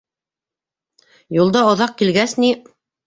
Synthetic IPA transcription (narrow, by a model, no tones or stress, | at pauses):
julˠd̪ɑŏðɑq̚kilɡæsni